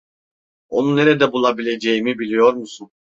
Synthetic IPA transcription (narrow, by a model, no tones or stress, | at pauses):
o̞̰nunːe̞ɾɛd̪ɛbulˠabilʲe̞d͡ʒejimibilʲijo̞ɾmusun